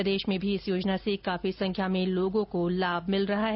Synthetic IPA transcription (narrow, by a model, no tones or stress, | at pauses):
d̪eːʃmẽbʱiɪsjoːd͡ʒnasekaːfisɐ̃ŋkʰjamẽloːɡõkolaːb̚ʱmɪlɾɐɦaɦɛ